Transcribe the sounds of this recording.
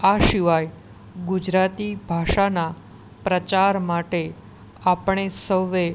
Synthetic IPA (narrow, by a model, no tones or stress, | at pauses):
aʃiʋaj | ɡud͡ʒɾat̪ibʱaʃana | pɾət͡ʃaɾmaʈe | apɳ̃esəʋe